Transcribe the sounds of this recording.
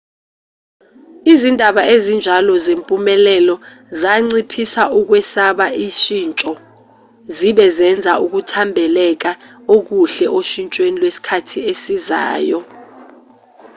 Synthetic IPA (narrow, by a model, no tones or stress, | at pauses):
izindʱaɓaezind͡ʒʱalɔzempʼumɛlɛlɔ | zaŋ͡ǀipʰisaʔuk̬wɛsaɓaiʃint͡ʃʼɔ | ziɓɛzɛnd͡zʱaʔuk̬utʰambʱɛlɛk̬aok̬uɬɛʔoʃint͡ʃʼwenilwesi̥kʰatʰiesiza̰ːjɔ